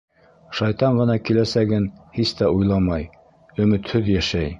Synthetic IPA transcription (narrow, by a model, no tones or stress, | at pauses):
ʃɑjt̪ɑɴɢɤ̆nɑkilæsæɡɘnhist̪æʔujlˠɑmɑj | ɵ̆mɘ̆t̪hɵðjæʃæj